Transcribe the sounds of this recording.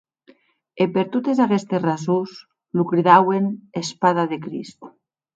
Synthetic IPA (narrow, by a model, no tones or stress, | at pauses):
epeɾt̪ot̪ezakest̪esrazus | lukɾiðawenespað̞aðekɾḭst̪